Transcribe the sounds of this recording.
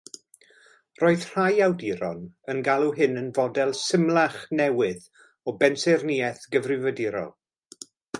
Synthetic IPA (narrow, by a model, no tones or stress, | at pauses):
roːɨðr̥ajawdiɾɔ̰nənɡalˠuɦɪnənvɔdɛlˠsəmlˠaχnɛwɪð | ɔbɛnsɛrniɛθɡəvrɪvədɪɾɔ̰lˠ